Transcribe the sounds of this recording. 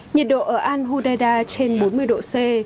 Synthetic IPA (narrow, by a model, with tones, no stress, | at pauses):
ɲi˨˩t̚ɗo̰˧˨ʔəː˧˩ʔaː˧nɦu˧ɗaː˧jɗaː˧t͡ɕe˧nɓo˨˦nmɨ˧əjɗo̰˧˨se˧